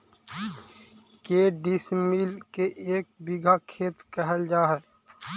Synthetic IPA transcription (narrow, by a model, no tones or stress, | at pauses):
keːɖismiːlkeʔeːk̚biɡʱakʰeːt̪kɛɦəld͡ʒaːɦɛː